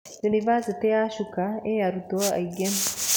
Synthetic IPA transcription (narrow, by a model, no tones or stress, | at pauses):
junivaset̪ejaʃukaejaɾut̪oa̰iɡem